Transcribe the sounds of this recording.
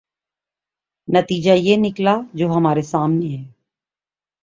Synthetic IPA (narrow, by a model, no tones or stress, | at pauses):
nɐt̪iːd͡ʒajenɪklad͡ʒoːɦɐmaːɾesaːmneɦɛː